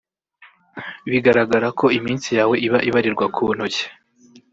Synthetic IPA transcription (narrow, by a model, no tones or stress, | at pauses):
βiɡaɾaɡaɾakʰo̞imiːnsijaːwe̞ʔiβaʔiβaɾiɾɡwakʰun̥hoçe̥